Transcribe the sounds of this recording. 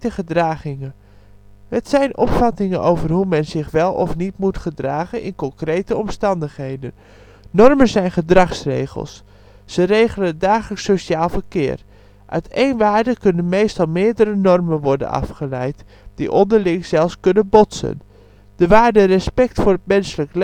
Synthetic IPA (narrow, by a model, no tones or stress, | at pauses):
təχədraːχɪŋən | ɦətsɛjnʔɔ̰pfɑtɪŋənowvərɦumɛnzɪχʋɛlˠɔ̰fnitmutχədraːχənɪ̰nkɔŋkrejtəɔmstɑndəχɦejdən | nɔrmənzɛjnχədrɑχsrḛjχə̰lˠsː | ərejχələndaːχələksoʃaːlˠvərkɪːr | ʔœ̰ɥtʰejnʋaːɹdəkɵnənmejstɑlˠmɪːɹdəɾənɔrmənʋɔɹdə̰nɑ̰fχəlɛjt | d̥ḭʔɔndəɹlɪŋz̥ɛlˠfskɵnənbɔtsə̰n | d̥əʋaːɹdərɛspɛk̚tfʊːrət̚mɛnsələkl